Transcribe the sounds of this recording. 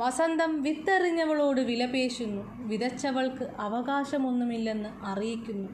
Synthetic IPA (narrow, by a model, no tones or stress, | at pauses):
ʋɐsɐnd̪ɐmʋit̪ːɐriɲːɐɣɐɭo̞ːɽɨʋilɐbe̞ːɕunːu | ʋiðɐt͡ɕːɐʋɐɭkɨʔɐʋɐɣaːɕɐmo̞nːumilːe̞nːɨʔɐrijikʲːunːu